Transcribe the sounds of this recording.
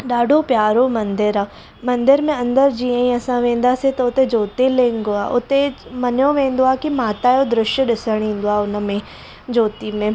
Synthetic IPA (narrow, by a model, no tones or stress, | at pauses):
ɗaːɖʱopjaːɾomɐ̃nd̪ɪɾa | mɐ̃nd̪ɪɾmẽɐ̃nd̪əɾd͡ʒiːãĩɐsãʋẽːnd̪aset̪ɐʊt̪ed͡ʒoːt̪elẽːŋɡoaːʔʊ̰t̪emɐnjõʋẽːnd̪oaːkimaːt̪ajod̪ɾɪʃjəɗɪsəɽ̃ĩːnd̪oaʊnmẽ | d͡ʒoːt̪imẽ